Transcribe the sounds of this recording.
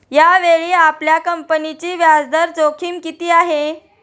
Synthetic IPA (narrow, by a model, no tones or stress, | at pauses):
jaʋeɭiːapljakəmpənit͡ɕiːʋjad͡zd̪əɾt͡sokʰiːmkit̪iːaɦe